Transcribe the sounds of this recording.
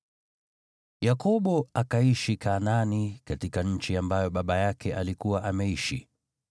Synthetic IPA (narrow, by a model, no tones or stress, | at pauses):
jakɔɓɔakaiʃikananikatikaɲ̩t͡ʃiambajɔɓaɓajakɛʔalikuwaʔamɛiʃḭ